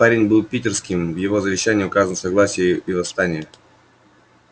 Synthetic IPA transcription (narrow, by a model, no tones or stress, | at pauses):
aɾʲɪnʲbɨlˠpʲitʲɪrskʲɪmvjɪvo̞zəvʲɪɕːænʲɪːʊkazənəsɐɡlˠasʲɪjəivɐst̪anʲɪjə